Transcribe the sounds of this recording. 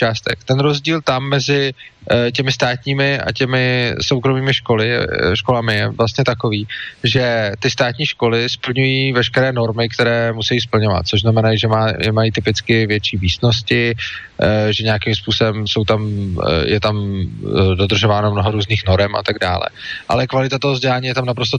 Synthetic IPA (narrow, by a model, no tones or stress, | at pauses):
t͡ʃaːst̪ɛ̰kt̪ɛnɾo̞zɟiːlt̪amːɛzɪ | c̬ɛmɪst̪aːt̪ɲiːmɪʔa̰cɛmɪso̞wkɾo̞miːmɪʃko̞lɪɛ̰ʃko̞lamɪjɛvlast̪ɲɛt̪ako̞viːʒɛt̪ɪst̪aːt̪ɲiːʃko̞lɪspl̩ɲujiːvɛʃkɛɾɛːno̞ɾmɪkt̪ɛɾɛːmusɛjiːs̬pl̩ɲo̞va̰t̪̚t͡so̞ʒznamɛnaʒɛmajɛmajit̪ɪpɪt͡skɪvjɛt͡ʃiːviːsno̞s̬cɪ | ʒɛɲejakimspuːso̞bɛmso̞wt̪amjʔɛt̪am | do̞d̪r̩ʒo̞vaːnomno̞ɦoɾuːzniːxno̞ɾɛmʔa̰t̪aɡda̰ːlɛ̰ʔa̰lɛkvalɪt̪at̪oɦozɟɛlaːɲiːjɛt̪amnap̬ɾost̪o